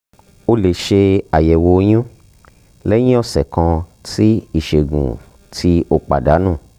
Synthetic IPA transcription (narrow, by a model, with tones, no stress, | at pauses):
o˧le˨ʃe˧a˨jɛ˨wo˧˦j̃ũ˦ | lɛ˦j̃ĩ˦ɔ˧sɛ˨kã˧ti˦i˦˨ʃe˨ɡṵ̃˨ | tʰi˦o˦k͡pa̰˨da˨˦nũ˦˨